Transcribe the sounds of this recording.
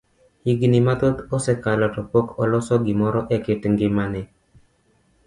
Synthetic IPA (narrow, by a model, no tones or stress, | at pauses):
hiɡinimatotɔsɛkalɔtɔpokɔlɔsɔɡimɔɾɔʔɛkɪtŋɡɪmanɛ